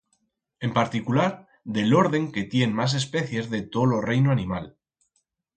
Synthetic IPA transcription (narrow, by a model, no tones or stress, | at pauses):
e̞mpaɾt̪ikulaɾ | ðe̞lo̞ɾð̞e̞ŋke̞t̪je̞nmas̬e̞spe̞θje̞zðe̞t̪olo̞rejnoanĩmal